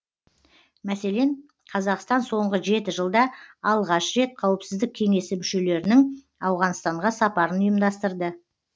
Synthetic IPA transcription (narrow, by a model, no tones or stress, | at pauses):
mæse̞le̞n | qʰɑzɑqst̪ɑnso̞ɴʁəʒe̞t̪ɪʒəlˠd̪ɑɑlˠʁɑʃɾe̞t̪̚qʰɑwəpsɪzd̪ɪk̚ʲʰe̞ŋe̞sɪmʏʃe̞le̞ɾɪnɪŋ | ɑwʁɑnst̪ɑɴʁɑsɑpɑɾənʊjəmd̪ɑst̪əɾd̪ə